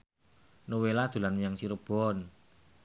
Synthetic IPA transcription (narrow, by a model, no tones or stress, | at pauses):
nowelad̪̥ṳlanjaŋsiɾəb̥ɔn